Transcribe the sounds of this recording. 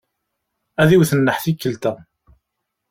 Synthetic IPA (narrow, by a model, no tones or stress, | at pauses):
æðiwθənːəħθikːəlt̪ə